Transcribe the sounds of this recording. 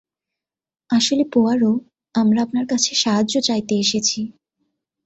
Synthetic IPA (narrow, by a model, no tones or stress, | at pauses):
aʃolepoaɾo | amɾaapnaɾkat͡ɕʰeʃaɦad͡ʑʑot͡ɕajt̪eeʃet͡ɕʰi